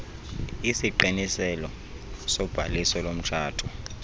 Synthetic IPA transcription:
isiǃinisɛlɔ | sɔb̥ʱalisɔlom̩t͡ʃʰaːtʰu

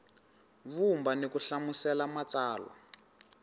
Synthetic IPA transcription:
vumbanekuɬamusɛlamat͡saːlwa̰

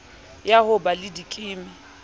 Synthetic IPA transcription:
jahʊbalɪdikʼɪːmɪ

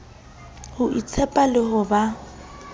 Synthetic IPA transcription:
hʊʔit͡sʰɛpʼalɪhʊba

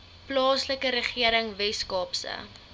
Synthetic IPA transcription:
plɑːsləkəɾəχiəɾəŋvɛskɑːpsə̰

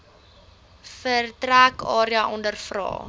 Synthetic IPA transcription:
fərtrækɑːɾiəʔɔndərfrɑ̰ː

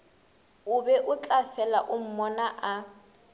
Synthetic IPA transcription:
ʊbɛʔʊt͡ɬʼafɛlaʔʊm̩mɔnaʔa

